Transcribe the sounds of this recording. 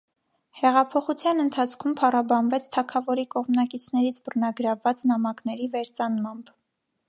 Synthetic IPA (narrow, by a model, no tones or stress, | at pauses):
hɛʁɑpʰɔχut͡sʰjɑnənt̪ʰɑt͡sʰkʰumpʰɑrɑbɑnvɛt͡sʰt̪ʰɑkʰɑvɔɾikɔʁmnɑkit͡sʰnɛɾit͡sʰbərnɑɡəɾɑvːɑt͡snɑmɑknɛɾivɛɾt͡sɑnmɑmb̥